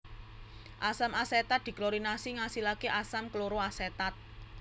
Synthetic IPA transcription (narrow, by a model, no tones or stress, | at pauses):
ʔasamaset̪at̪̚d̪̥i̤kloɾinasiŋasilakeʔasamkəloɾoaset̪at̪̚